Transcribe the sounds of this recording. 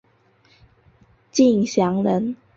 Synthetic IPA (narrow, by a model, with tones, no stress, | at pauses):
t͡ɕi˥˩ŋɕjɑ˧˥ŋlə˧˥n